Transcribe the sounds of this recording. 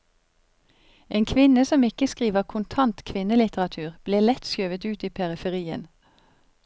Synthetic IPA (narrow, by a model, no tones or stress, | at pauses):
ʔeːnkʰʋɪnəsɔmɪkəskʁiːʋəʁkʰʊnt̪ʰɑnt̪kʰʋɪnəlɪt̪əʁɑt̪ʰʉːʁb̥leːlɛt̪søːʋət̪ʉːt̪iːpʰɛʁɪfɛʁiːə̰n